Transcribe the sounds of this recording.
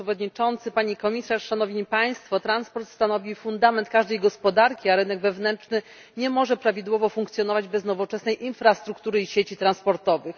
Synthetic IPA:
ɛvɔd̪ɲit͡ʂɔnt̪sɘpaɲikɔmʲisaʂʂanɔvɲipaj̃st̪fɔt̪ɾanspɔɾt̪st̪anɔvʲifund̪amɛnt̪̚kaʐd̪ɛjɡɔspɔd̪aɾkʲiaɾɘnɛɡvɛvnɛnt͡ʂnɘ | ɲɛmɔʐɛpɾavʲid̪wɔvɔfuŋkt̪sʲjɔn̪ɔvad͡ʑbɛznɔvɔt͡ʂɛsnɛjʔinfɾast̪ɾukt̪uɾɘiɕet͡ɕit̪ɾanspɔɾt̪ɔvɘx

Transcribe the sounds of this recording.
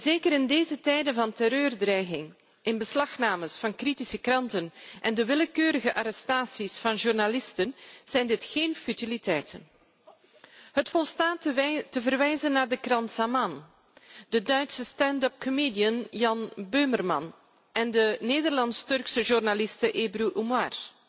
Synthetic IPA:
zeːkəɾɪndeːzətɛjdənvɑntɛɾøːrdrɛjɣɪŋ | ʔɪnbəslɑxnaːməsfɑnkritisəkrɑntənʔɛndəʋɪləkøːɾəɣəʔaɾɛstaːsisfɑnʒurnalɪstənz̥ɛjndɪtxeːnfytilitɛjtʰə̰n | ɦətfɔlˠstaːttəvərʋɛjzənːaːrdəkrɑntsaman | d̥ədœɥtsəstɛndɔp̚kʰomeːdiənjɑnbømərmɑ̰n | ɛndəneːdərlɑnstɵrksəʒurnalɪstəʔeːbruʔumar

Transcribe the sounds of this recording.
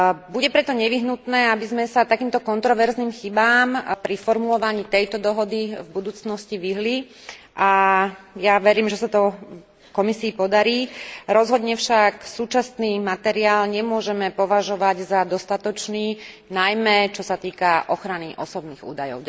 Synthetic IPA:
buɟɛpɾɛt̪ɔɲɛʋiɦnut̪nɛːabizmɛsat̪akiːmt̪ɔkɔnt̪ɾɔʋɛɾzniːmxibaːmpɾifɔɾmulɔʋaɲiːt̪ɛjt̪ɔd̪ɔɦɔd̪ivbud̪uːt͡snɔsciʋiɦli | ʔa | jaʋɛɾiːmʒɛsat̪ɔ | kɔmisiːpɔd̪aɾiːɾɔzɦɔd̪ɲɛfʃaksuːt͡ʃasniːmat̪ɛɾiaːlɲɛmʊɔʒɛmɛpɔʋaʒɔʋaɟzad̪ɔst̪at̪ɔt͡ʃniː | najmɛt͡ʃɔsat̪iːkaʔɔxɾaniʔɔsɔbniːɣṵːd̪ajɔ̰ʊ

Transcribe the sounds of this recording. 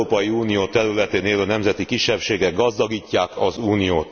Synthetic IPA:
oːpɒjiuːnijoːt̪ɛɾylɛt̪eːneːlønɛmzɛt̪ikiʃːɛpʃeːɡɛɡɡɒzd̪ɒɡiːcːaːkɒzuːnijoːt̪

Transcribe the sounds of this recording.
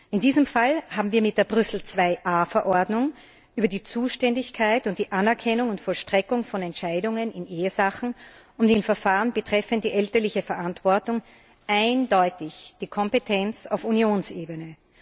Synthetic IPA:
ʔɪndiːzəmfalhaːbm̩viːɐmɪt̚d̥eːɐbʁʏsl̩t͡sv̥aɪʔaːfɛɐʔɔɐdnʊŋ | ʔyːbɐdiːt͡suːʃtɛndɪçkʰaɪtʊntd̥iːʔanɛɐkʰɛnʊŋʊntfɔlʃtʁ̥ɛkʊŋfɔnɛntʃaɪdʊŋənɪnʔeːəzaχn̩ | ʊndɪnfɛɐfaːʁənbətʁ̥ɛfənd̥iːʔɛltɐlɪçəfɛɐʔantv̥ɔɐtʊŋ | ʔaɪndɔʏtɪçd̥iːkʰɔmpetʰɛnt͡sa̰ʊfunjoːnseːbənə

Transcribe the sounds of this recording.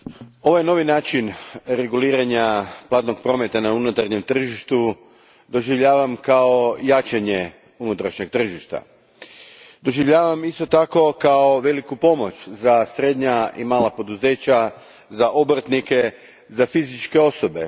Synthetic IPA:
o̞ʋojeno̞ʋinaːt͡ʃinɾe̞ɡuliːɾaɲaplˠaːt̪no̞ɡ̚pɾo̞ːme̞t̪anaunut̪aɾɲe̞mt̪r̩ʒiʃt̪u | d̪o̞ʒiʋʎaːʋamkao̞jat͡ʃaɲe | unut̪ɾaʃɲe̞ɡ̚t̪r̩ʒiʃt̪a̰ | d̪o̞ʒiʋʎaːʋamist̪o̞t̪ako̞kao̞ʋe̞likupo̞mo̞t͡ɕzasɾe̞d̪ɲaḭmaːlapo̞d̪uze̞ːt͡ɕa | zaʔobɾt̪nike̞ | zafizit͡ʃke̞o̞so̞be̞̰

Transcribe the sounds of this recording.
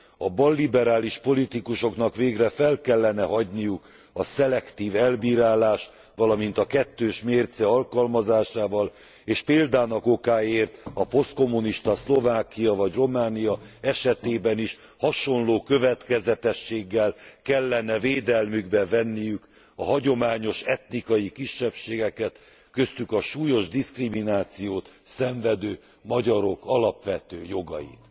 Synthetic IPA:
ɒbɒlːibɛɾaːliʃpo̞lit̪ikuʃo̞knɒkveːɡrɛfɛlkɛlːɛnɛɦɒɟnijuk | ɒsɛlɛkt̪iːvɛlbiːɾaːlaːʃ | ʋɒlɒmin̪t̪ɒkɛt̪ːøːʃmeːrt̪sɛɒlkɒlmɒzaːʃaːvɒl | eːʃpeːld̪aːnɒko̞kaːeːrt̪ɒpo̞st̪̚ko̞mːuniʃt̪ɒslo̞vaːkijɒvɒɟro̞maːnijɒɛʃɛt̪eːbɛniʃ | hɒʃo̞nloːkø̞vɛt̪kɛzɛt̪ɛʃːeːɡːɛlkɛlːɛnɛveːd̪ɛlmyɡbɛvɛnːijyk | ɒɦɒɟo̞maːɲo̞ʃɛt̪nikɒjikiʃːɛpʃeːɡɛkɛt̪ | køst̪ykɒʃuːjo̞ʒd̪iskriminaːt̪sijoːt̪sɛɱvɛd̪øː | mɒɟɒɾo̞kɒlɒpʋɛt̪øːjo̞ɡɒ̰jḭt̪

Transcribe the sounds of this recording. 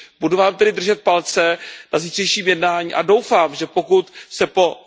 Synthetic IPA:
buduvaːmt̪ɛdɪd̪r̩ʒɛt̪̚palt͡sɛnaziːr̥ɛjʃiːmjɛdnaːɲiːʔado̞wfaːmʒɛpo̞kut̪sɛpo̞

